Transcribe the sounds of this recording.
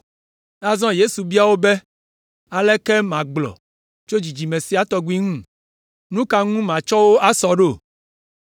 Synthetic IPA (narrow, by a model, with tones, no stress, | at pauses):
a˦zɔ̃˦je˦su˨bi˦a˨wo˦be˦ | a˨lɛ˦kɛ˦mã˨ɡ͡blɔ̰˨ | t͡ʃo˦d͡ʒi˨d͡ʒi˨mẽ˨si˦a˦t̪ɔ˦ɡi˦ŋũ˦ | nũ˦ka˦ŋũ˦mã˨t͡ʃɔ˦wo˦a˦sɔ˨ɖo˦˨